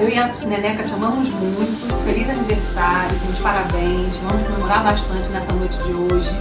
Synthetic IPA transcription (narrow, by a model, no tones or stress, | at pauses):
ewiɐ | nɛnɛkɐt͡ʃɐ̃mɐ̃mʊzmũj̃t̪ʊfelizɐniveχsaɾjʊzũʊ̃ʃpaɾabẽjj̃svɐ̃mʊskomemoɾaɾbaʃt̪ɐ̃nt͡ʃɪnɛsɐnojt͡ʃɪd͡ʒɪoʒɪ